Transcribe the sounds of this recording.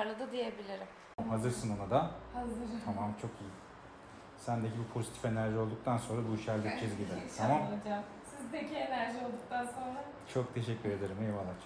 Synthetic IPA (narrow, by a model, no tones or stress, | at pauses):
ɾlˠɯd̪ɯd̪ijebilʲiɾim | mɦazɯɾsɯnanad̪ahazt̪ʰamamt͡ʃʰo̞kiji | sænd̪ecʲibipʰo̞zit̪ʰi̥fe̞næɾʒio̞lˠd̪uk̚t̪ʰanso̞nɾabuiʃæɾld̪ʲikt͡ʃʰezɟib̪et̪ʰamamˠd͡ʒam | sizd̪ecʰienæɾʒio̞lˠd̪uk̚t̪ʰanso̞nɾa | t͡ʃʰo̞k̚t̪ʰe̞ʃɛcːyɾe̞d̪e̞ɾɯmjevalˠat͡ʃ